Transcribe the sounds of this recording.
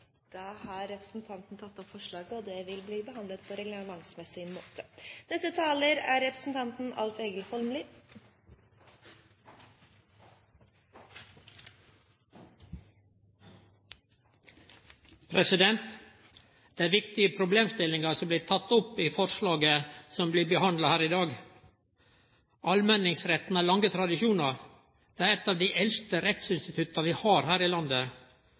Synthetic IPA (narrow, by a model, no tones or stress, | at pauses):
d̪̥ɑːhɑɾɾɛpɾəsn̩t̪ʰɑnt̪n̩t̪ʰɑt̪ːɔpfɔʂɭɑːɡəɔd̪ɛʋɪlbliːbəɦɑnd̪lət̪pʰɔɾɛɡləmɑŋsmɛsɪnmo̰ːt̪ə̥nɛsət̪ʰɑːləɾæːɾɾɛpɾəsn̩t̪ʰɑnt̪n̩ɑ̰lt̪eːɡəlhɔlmlɪ | pʰɾɛsɪd̪ɛnt̪ | d̪̥eæʋɪkt̪ɪəpʰɾʊbleːmst̪ɪlɪŋɑsɔmbliːt̪ʰɑt̪ːʊpiːfɔɾʂlɑːɡəsɔmbliːbəhɑnd̪lɑhæːɾɪd̪ɑːɡ | ʔɑlmɛnɪŋsɾɛt̪n̩æːlɑŋɡət̪ʰɾɑd̪ɪʃuːnɑɾ | d̪̥eːæːɾɛt̪ːɑːʋd̪iːʔɛlst̪əɾɛt̪sɪnst̪ɪt̪ʰʉt̪ɑʋiːhɑːɾhæːɾiːlɑnd̪ə